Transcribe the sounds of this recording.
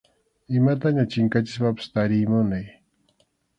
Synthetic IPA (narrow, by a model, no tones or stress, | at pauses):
ɪmat̪aɲat͡ʃɪŋkat͡ʃɪ̥spapɪ̥st̪aɾɪjmʊnaj